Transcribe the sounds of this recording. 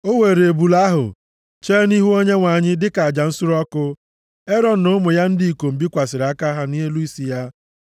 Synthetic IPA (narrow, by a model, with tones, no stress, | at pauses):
o˦we˨ɾe˨e˨bu˨la˦ɦʊ̰˨ | t͡ʃe˦ni˦ɦu˦o˦ɲe˦ŋʷa˨ɲɪ˦dɪ˦ka˨a˨d͡ʒa˨n̩˦sʊ˦ɾɔ˦kʊ˦ | e˦ɾɔ˨n̩˨nʊ˦mʊ˨ja˦n̩˦di˦i˨ko˨m̩˨bi˦kʷa˨sɪ˨ɾa˦ka˦ɦa˦ni˦ɦe˦lu˦i˦si˨ja˦